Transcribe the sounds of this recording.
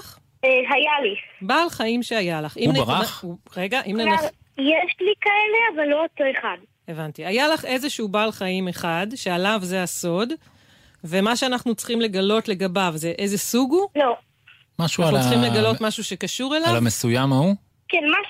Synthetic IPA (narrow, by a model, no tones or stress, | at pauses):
eɦajalibaːlχaimʃe̞ajalaχinbaʁaχʁeɡaʔimnea | jeʃlikaeleavalːootoeχad | e̞vant̪iajalaχe̞zeʃuubalχaime̞χadʃe̞alavzeaso̞d | ve̞maʃeanaχnut͡sχimle̞ɡalo̞tle̞ɡabavzeʔezesuɡulo | maʃuaut͡simleɡalo̞t̪maʃuʃe̞kaʃuʁelavlamesujamau | kenma